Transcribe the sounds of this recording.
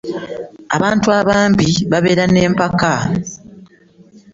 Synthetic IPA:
aβaːntuaβaːmbiβaβe̞ːɾane̞ːmpaka

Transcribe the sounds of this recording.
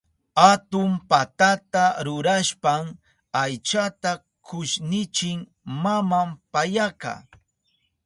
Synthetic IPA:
at̪ʊmpat̪at̪aɾʊɾaʃpam | ajt͡ʃat̪a | kʰʊʃnɪt͡ʃɪŋ | mamampajaka̰ː

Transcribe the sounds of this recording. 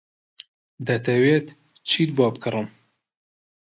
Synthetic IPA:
d̪ɐt̪ɐwet̪ | t͡ʃʰit̪̚bɑːpkʰɨrɨm

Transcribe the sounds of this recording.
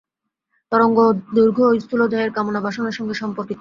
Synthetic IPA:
t̪ɔɾoŋɡod̪uɾɡʱoist̪ulod͡ʑaeɾkamonabʱaʃonaʃɔŋɡeʃɔmpoɾt̪it̪

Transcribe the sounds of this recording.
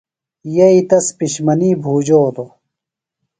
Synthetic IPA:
jɐit̪ɐspiɕmɐniːbʱuːd͡ʑoːt̪o

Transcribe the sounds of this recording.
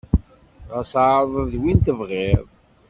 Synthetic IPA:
ʁæsʕðˤəðwint̪əvʁeðˤ

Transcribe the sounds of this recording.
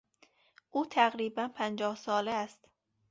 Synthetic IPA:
ʔuːt̪ʰæɣɾiːbænpʰænd͡ʒɒːhsɒːleːst̪

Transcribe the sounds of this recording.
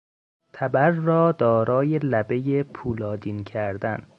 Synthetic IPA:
t̪ʰæbæɾːɒːd̪ɒːɾɒːje̞læbe̞jepʰuːlɒːd̪iːncʰæɾd̪æn

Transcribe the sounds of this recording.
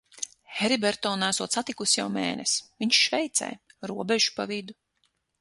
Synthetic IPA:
hɛɾibɛɾt̪ɔːnæsuɔt̪sat̪ikusjawmɛ̰ːnɛsviɲʃʃvɛjt̪sɛ̰jɾuɔbeʒupavid̪u

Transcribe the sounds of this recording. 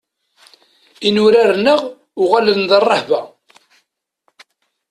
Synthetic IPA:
inʊɾaɾnəʁ | ʊʁalənðərˤːɑħvæ

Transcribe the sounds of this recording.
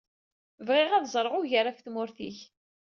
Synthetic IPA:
vʁɪʁæðzˤəɾˤʁʊʝəɾafθmʊɾθiç

